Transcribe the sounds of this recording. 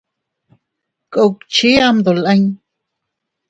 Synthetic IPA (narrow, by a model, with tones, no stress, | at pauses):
kʼo˧wkt͡ʃi˦a˦md̪o˨lə˦ɲ